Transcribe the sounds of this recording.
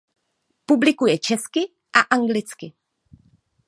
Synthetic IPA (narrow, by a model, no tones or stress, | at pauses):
publɪkujɛt͡ʃɛskɪ | ʔaʔaŋɡlɪt͡skɪ